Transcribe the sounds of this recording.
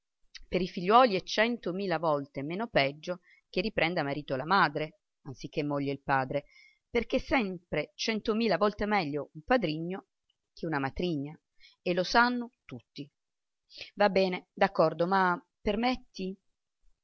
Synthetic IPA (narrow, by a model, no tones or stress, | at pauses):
peɾifiʎːwɔːliɛt͡ʃːɛnt̪omiːlavɔlt̪emeːnopɛd͡ʒːo | k̟erːipɾɛnd̪amaɾiːt̪olamaːd̪ɾe | antsik̟ːemːɔʎːeilpaːd̪ɾe | perk̟esɛmpɾet͡ʃɛnt̪omiːlavɔlt̪emɛʎːoumpad̪ɾiɲːo | k̟ʰeunamat̪ɾiɲːa | elːosanːot̪ut̪ːi | vabːɛːned̪akːɔrd̪oma | permet̪ːi